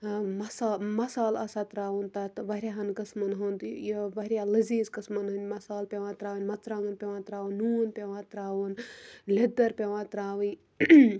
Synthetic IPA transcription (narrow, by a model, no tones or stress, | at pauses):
mɐsaːmɐsaːlɐsat̪ɾaːʋunt̪ɐt̪ʋɐɦɾʲjaɦɐnkɐsmɐnɦɐnd̪jʋɐɦɾʲalɐziːzkɐsmɐnɦɐnʲmɐsaːlpʲeʋãːt̪ɾaːʋɐnʲmɐt͡sɾãːŋɡɐnpʲeʋãːt̪ɾaːʋunːuːnpʲeʋãːt̪ɾaːʋunled̪ɐɾpʲeʋãːt̪ɾaːʋɨn